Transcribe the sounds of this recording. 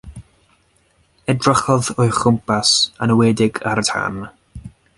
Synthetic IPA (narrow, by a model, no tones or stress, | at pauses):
ɛdrɔχɔðɔɨχʊmpʰasanəwɛːdɪɡartʰa̰n